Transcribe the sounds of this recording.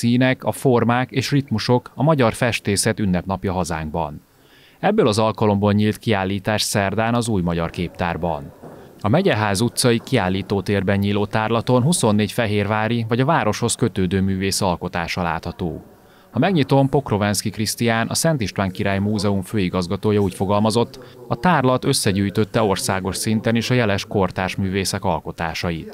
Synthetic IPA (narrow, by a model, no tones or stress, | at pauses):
siːnɛkɒfo̞rmaːkeːʃrit̪muʃo̞kɒmɒɟɒrfɛʃt̪eːsɛt̪ynːɛpnɒpjɒɦɒza̰ːŋɡ̚bɒ̰n | ɛbːøːlɒzɒlkɒlo̞mboːlɲiːlt̪kiaːlːiːt̪aːʃsɛrd̪aːnɒzuːjmɒɟɒrkeːpt̪a̰ːrbɒ̰nɒmɛɟɛɦaːzut̪sɒjikiaːlːiːt̪oːt̪eːrbɛɲɲiːloːt̪aːrlɒt̪o̞nɦuso̞nːeːcfɛɦeːrvaːɾivɒɟɒvaːɾo̞ʃho̞skø̞t̪øːd̪øːmyːveːsɒlko̞t̪aːʃɒla̰ːt̪hɒt̪o̰ː | hɒmɛɡɲit̪o̞mpo̞kro̞vɛnskikrist̪ijaːnʔɒ̰sɛnt̪iʃt̪ʋaːŋkiɾaːjmuːzɛumføːiɡɒzɡɒt̪oːjɒuːcfo̞ɡɒlmɒzot̪ːɒt̪aːrlɒt̪ø̞sːɛɟyːjt̪ø̞t̪ːɛo̞rsaːɡo̞ʃsint̪ɛneːʃɒjɛlɛʃko̞rt̪aːrʃmyːveːsɛkɒlko̞t̪aːʃɒjit̪